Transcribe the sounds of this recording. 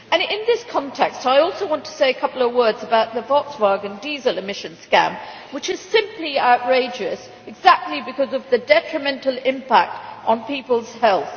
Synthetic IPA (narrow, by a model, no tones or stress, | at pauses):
ɨ̃nɪ̃nðɪskʰɑ̃ntʰɛkstaɪɔlˠsoʊwɑ̃ntʰə̥seɪɨkʰʌpl̩ˠəvwɜ˞dzəbaʊt̪̚ðəvɑkswɑɡɨ̃ndizəlˠɨmɪʃɨ̃nskæ̰̃m | wɨt͡ʃɨz̥sɪ̃mpliaʊʔɹeɪd͡ʒɨs | ɨɡzæk̚tˡlibɨkʰʌzʌvðɨdɛt͡ʃɹ̥ɨmɛ̃ntˡl̩ˠɪ̃mpʰæk̚tn̩pipəl̩ˠz̥hɛlˠθ